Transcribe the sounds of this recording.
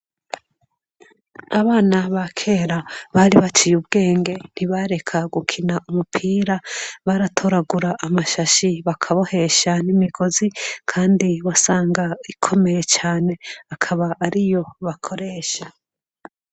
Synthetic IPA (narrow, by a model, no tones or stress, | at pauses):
aβaːnaβakʰe̞ːɾaβaɾiβat͡ʃijubɡe̞ːŋɡe̞n̥iβaɾe̞kʰaɡukʰinaʔumupʰiːɾaβaɾatʰo̞ɾaɡuɾaʔːmaʃaʃiβakʰaβo̞he̞ʃanimiɡo̞zikʰaːndiwasaːŋɡaikʰo̞me̞je̞t͡ʃaːne̞akʰaβaʔːɾijo̞βakʰo̞ɾe̞ːʃa